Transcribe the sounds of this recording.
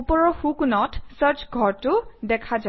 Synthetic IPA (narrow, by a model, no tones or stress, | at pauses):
upɔɹɔxukunɔtsəɹt͡ʃɡʱɔɹtʊdɛkʰaza